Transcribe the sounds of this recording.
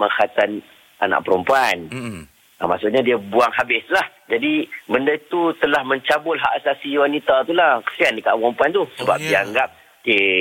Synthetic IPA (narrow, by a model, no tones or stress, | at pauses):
məŋxat̪an | a̰na̰ʔpəɾumpuan | əma̰ʔsʊʔɲadiəbuaŋhabɪslahd͡ʒadibəndait̪ut̪əlahmə̃ɲt͡ʃabʊlɦaʔasasiwanit̪at̪ulahkə̥siandəkaʔpəɾumpuant̪ʊhsəba̰p̚diaŋɡap̚ | ke